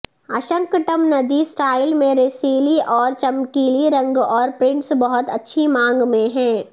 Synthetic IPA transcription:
ɐʃə̃ŋkʈəmnɐd̪isʈaːɪlmẽɾeːsiːliʔɔːɾt͡ʃɐmkiːliɾɐ̃ŋɡɔːɾpɾɪ̃ɳʈsbɐɦʊt̪ɐtːʃʰimãːŋɡmẽɦɛ̃ː

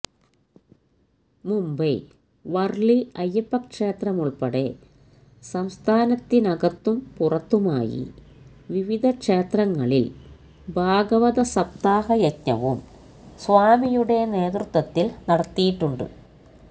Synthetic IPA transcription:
mumbɐ | ʋɐrɭiɐjːɐpːɐkʂeːt̪rɐmuɭpɐɽḛ | sɐmst̪ʰaːnɐt̪ːinɐɡɐt̪ːumpurɐt̪ːuma̰ːjḭ | ʋiʋid̪ʱɐkʂe̞ːt̪rɐŋːɐɭil | bʱaːɡɐʋɐðɐsɐp̚t̪aːɦɐjɐtɲɐ̰ʋṵm | sʋaːmijuɽe̞ne̞ːt̪rut̪wɐt̪ːilnɐɽɐt̪ːijiʈːuɳɖɨ̰

